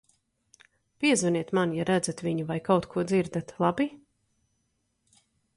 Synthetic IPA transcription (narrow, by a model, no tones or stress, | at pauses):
piɛzuniɛt̪manjaɾæd̪zat̪vʲiɲuvajkawt̪kʰuɔd̪ziɾd̪at̪lˠabi